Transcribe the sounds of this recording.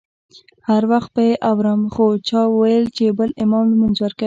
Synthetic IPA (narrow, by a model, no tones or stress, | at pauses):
haɾwaxt̪̚pbajeʔawɾəmxot͡ʃɑwwajəlt͡ʃebəlɪmɑmlmʊnzwəɾka